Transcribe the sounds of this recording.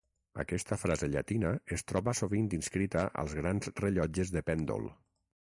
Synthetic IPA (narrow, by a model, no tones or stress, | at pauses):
ə̰kɛst̪əfɾazeʎa̰t̪inəest̪ɾɔβəsoβind̪inskɾit̪aʔə̰lˠzɣɾanzreʎɔd͡ʒəzðəpɛnd̪o̰lˠ